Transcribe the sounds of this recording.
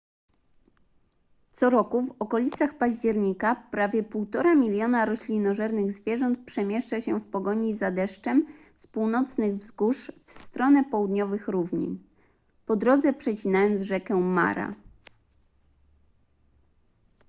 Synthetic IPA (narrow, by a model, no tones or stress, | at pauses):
t̪sɔɾɔkuvɔkɔlʲit̪saxpaʑd͡ʑɛɾɲikapɾavʲjɛpuwt̪ɔɾamʲilʲjɔnaɾɔɕlʲinɔʐɛɾnɘɣzvʲjɛʐɔnt̪̚pʂɛmʲjɛʂt͡ʂaɕɛfpɔɡɔɲizad̪ɛʂt͡ʂɛm | spuwnɔt̪snɘɣvzɡuʂfst̪ɾɔnɛpɔwud̪ɲɔvɘxɾuvɲḭn | pɔd̪ɾɔd̪zɛpʂɛt͡ɕinajɔnd̪zʐɛkɛma̰ɾa̰